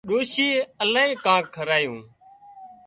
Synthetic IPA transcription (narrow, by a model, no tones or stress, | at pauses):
ɗoːʃiːəlaːĩːkãːkʰəɾaːjũː